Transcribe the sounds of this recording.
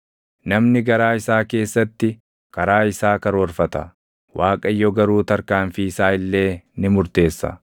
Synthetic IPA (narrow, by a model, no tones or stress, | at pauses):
nɐmnɪɡɐɾaːɪsaːke̞ːsːɐt̪ːɪ | kɐɾaːɪsaːkɐɾɔɾfɐt̪ɐ | wʔaːkʼɐjːɔɡɐɾuːt̪ɐɾkaːnfiːɪsaːɪlːe̞ːnɪmʊɾt̪e̞ːsːɐ̰